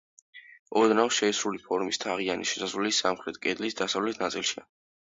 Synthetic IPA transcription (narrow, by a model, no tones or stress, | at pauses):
ɔd̪nafʃɛisɾulipʰɔɾmist̪ʰaʁianiʃɛ̥saslisamχɾɛt̪ʰkʼɛd̪lisd̪asavlɛt̪ʰnat̪sʼilˠʃia̰